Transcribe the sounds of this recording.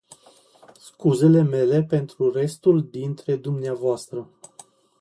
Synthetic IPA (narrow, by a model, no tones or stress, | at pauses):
skuze̞le̞me̞le̞pe̞nt̪ɾure̞st̪uld̪int̪ɾe̞d̪umneavoast̪ɾə